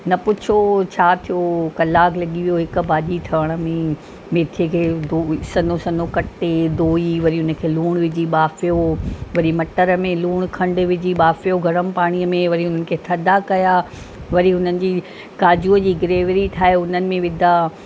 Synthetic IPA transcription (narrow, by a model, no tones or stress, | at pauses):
nɐpʊt͡ɕʰot͡ɕʰaːt̪ʰijokɐlaːklɐɠiʋijoɦɪk̆baːʄiʈʰɐʋəɽ̃ə̆mẽ | meːt̪ʰiəkʰeːd̪oːsɐnosɐnokɐʈed̪oːiʋɐɾiʊnə̆kʰeːluːɽ̃ʋɪd͡ʑiɓaːfijoʋɐɾimɐʈəɾəmẽluːɽ̃kʰɐ̃ɳɖʋɪd͡ʑiɓaːfijoɡʱɐɽəmpaːɽ̃iəmẽʋɐɾiʊnənɪ̆kʰeːt̪ʰɐd̪akɐja | ʋɐɾiɦʊnənɪ̆d͡ʑiː | kaːd͡ʑuːəd͡ʑiːɡɾeːʋɾiʈʰaːɦeʊnənɪ̆mẽʋɪd̪ʱa